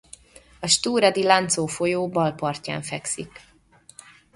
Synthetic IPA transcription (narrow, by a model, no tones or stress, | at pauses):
ɒʃt̪uːɾɒd̪ilant̪soːfo̞joːbɒlpɒrca̰ːɱfɛksik